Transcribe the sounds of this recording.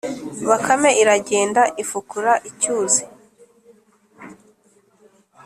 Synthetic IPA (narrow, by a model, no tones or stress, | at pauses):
βakʰame̞ʔiɾaɟe̞ːndaʔifukuɾaʔicuːzi